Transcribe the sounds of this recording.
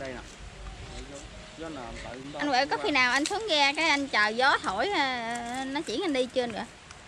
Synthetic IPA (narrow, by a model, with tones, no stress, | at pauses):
ʔa˧nvə̰˧˥kɔ˨˦xi˧naː˨˩wʔa˧jn̟su˨˦əŋɣɛ˧kaː˨˦jʔa˧jn̟t͡ɕəː˨˩zɔ˨˦t̪ʰo˧˩jnɔ˨˦t͡ɕḭ˧˩ənʔa˧nɗi˧t͡ɕɨ˧ənɨ̰˧˨ə